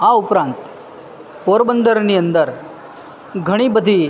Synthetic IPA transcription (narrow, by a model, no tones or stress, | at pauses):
aupɾãnt̪ | poɾbənd̪ʱəɾnijənd̪əɾ | ɡʱəɽ̃iːbəd̪ʱiː